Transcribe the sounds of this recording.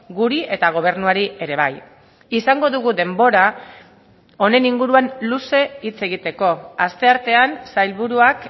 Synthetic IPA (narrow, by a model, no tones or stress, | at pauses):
ɡuɾiʔe̞t̪aɣ̞o̞β̞e̞ɾnuaɾie̞ɾe̞β̞aj | isaŋɡo̞ðuɣuðe̞mbo̞ɾa | o̞ne̞niŋɡuɾuanluse̞it͡se̞ɣ̞it̪e̞ko̞ast̪e̞aɾt̪e̞ansajlβuɾuak